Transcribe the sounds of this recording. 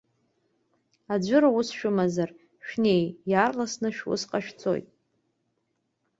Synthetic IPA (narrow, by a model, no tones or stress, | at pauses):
ad͡ʒʷʊɾawusʃᶣʊmazar | ʃᶣne̞jjaːrlasnɨʃᶣwʊ̰sqʼaʃᶣt͡sʰo̰jtʼ